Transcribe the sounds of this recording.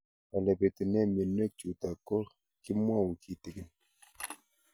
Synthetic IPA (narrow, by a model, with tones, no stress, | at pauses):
a˨lɛ˨pe˨ti˨nɛ˦˨mje˨nːɛ˦k̚t͡ʃu˨ta˨kɔ˦ɾ | ki˦mwa˦˨wu˨kʰi˨ti˨ɡi˨n